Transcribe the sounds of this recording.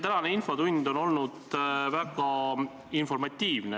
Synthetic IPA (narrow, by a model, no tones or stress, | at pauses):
t̪ænɑneinfot̪unʲd̪̥o̞no̞lnud̪væɡ̥ɑ | info̞rmɑt̪ʲːˑiːvne